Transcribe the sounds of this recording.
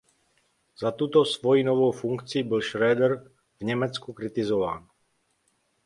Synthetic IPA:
z̥at̪ut̪osvojinovowfuŋkt͡sɪiːbɪlʃɾɛːd̪ɛɾ | vɲɛmɛt͡skukɾɪt̪ɪzova̰ːn

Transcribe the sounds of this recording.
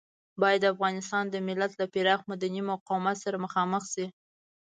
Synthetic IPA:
bɑjad̪ːafɣɑnɪst̪ɑnd̪əmɪlat̪lapɪɾɑxmad̪animʊqɑwmat̪saɾaməxɑməxsi

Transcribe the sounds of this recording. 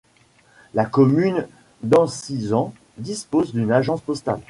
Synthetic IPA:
lakɔmyn | d̪ɑ̃sizɑ̃ | d̪ispozd̪ynaʒɑ̃spɔst̪a̰l

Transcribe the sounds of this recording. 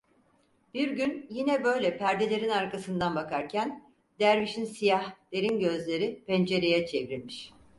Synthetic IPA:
b̥iɾɟynjinɛbø̞jlʲɛpʰæɾd̪e̞lʲe̞ɾinaɾkasɯnd̪anbakʰaɾcʰæn | d̪̥æɾviʃinsijahd̪e̞ɾinɟø̞zlʲe̞ɾipɛnd͡ʒe̞ɾe̞jɛt͡ʃʰevɾilʲmiʃ

